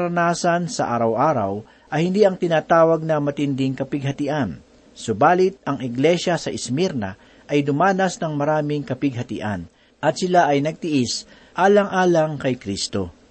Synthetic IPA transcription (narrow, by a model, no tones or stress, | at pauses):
ɐɾɐnaːsɐnsɐʔa̰ːɾɐwʔaːɾɐ̰w | ʔɐjhɪnd̪iːʔɐŋt̪ɪnaːt̪aːwɐɡ̚nɐmɐt̪ɪnd̪ɪŋkɐpɪɡ̚hɐt̪ɪʔan | sʊbaːlɪt̪̚ɐŋʔɪɡlɛʃɐsɐʔɪsmiɾna̰ | ʔɐjd̪ʊmaːnɐsnɐŋmɐɾaːmɪŋkɐpɪɡ̚ɦɐt̪ɪ̰ʔa̰n | ʔɐt̪sɪlaʔɐjnɐɡ̚t̪ɪʔɪs | ʔaːlɐŋʔaːlɐŋkɐjkɾist̪o̰